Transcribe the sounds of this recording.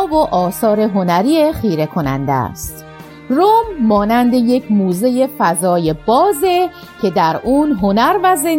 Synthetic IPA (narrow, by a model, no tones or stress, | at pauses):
voʔɒːsɒːɾe̞ɦo̞næɾiːeχiːɾe̞kʰo̞næ̰nd̪ḛæ̰st̪ | romːɒːnænd̪e̞je̞cʰmuːze̞je̞fæzɒːje̞b̥ɒːze | cʰe̞d̪æɾuːnɦo̞næɾvæze